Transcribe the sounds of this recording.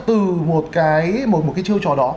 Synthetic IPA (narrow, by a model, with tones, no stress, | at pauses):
t̪ɨ˨˩mo˨˩t̚kaː˨˦jmo˨˩t̚mo˨˩kaː˨˦t͡ɕi˧əwt͡ɕɔ˧˩ɗɔ˨˦